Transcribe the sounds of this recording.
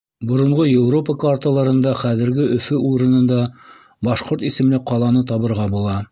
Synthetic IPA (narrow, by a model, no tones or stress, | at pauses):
bŏɾŏɴʁojewropəkvart̪əlˠɑɾɤ̆nd̪ɑχæðɘ̆ɾɡɘʔɵ̆fɵuɾɤ̆nɤ̆nd̪ɑ | bɑʃqoɾt̪isɘ̆mlɘqɑlˠɑnɤt̪ɑβɤ̆ɾʁɑbulˠɑ